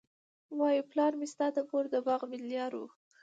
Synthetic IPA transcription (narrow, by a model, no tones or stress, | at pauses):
wɑjuplɑɾmɪst̪ɑd̪əpoɾd̪əbɑɣmɪljɑɾṵ